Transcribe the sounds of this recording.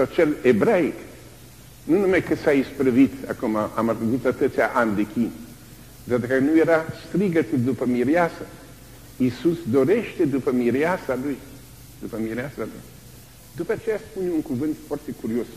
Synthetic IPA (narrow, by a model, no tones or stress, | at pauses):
sat͡ʃelebɾaik | nunumajkəsaispɾəvit̪a̰kumaamat̪ɾəzut̪t̪ət̪ət̪sʲaʔand̪ekʲin | d̪ad̪əkənuje̞ɾast̪ɾiɡət̪ud̪upəmiɾiasə | isusd̪o̞ɾe̞ʃt̪e̞d̪upəmiɾeasaluj | d̪̥upəmiɾeasaluj | t̪ot̪at͡ʃe̞jaspuneuŋkuvɨnt̪foart̪e̞kuɾio̞s